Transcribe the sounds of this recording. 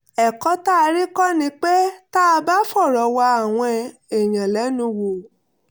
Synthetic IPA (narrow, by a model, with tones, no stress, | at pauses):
ɛ˨kɔ˨˦ta˦˧ɾi˦kɔ˦nĩ˧˦k͡pe˦ta˦a˧ba˦fɔ˦˨ɾɔ˨˦wa˧a˦˨w̃ɔ̃˧ɛ˧e˨j̃ã˨lɛ˨˦nũ˧wo˨